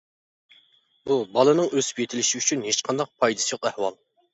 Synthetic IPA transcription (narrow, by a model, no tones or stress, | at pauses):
bubɑlˠɨnɨŋøzy̥pjet̪ʰɪlɪʃiyt͡ʃʰynhet͡ʃqʰɑnd̪ɑq̚pʰɑjd̪ɨ̥sɨjoqæhwɑlˠ